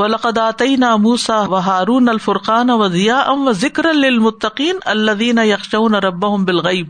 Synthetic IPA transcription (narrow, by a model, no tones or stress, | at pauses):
wɐlɐqɐd̪ʔaːt̪ɐjnaːmuːsaːwɐɦaːɾuːnɐlfʊɾqɑːnawɐd̪ɪjaːʔɐnwɐzɪkɾɐnlɪlmʊt̪ːɐqiːnɐlːɐðiːnajɐxʃauːnaɾˤɑbːaɦʊmbɪlɣɐjb̚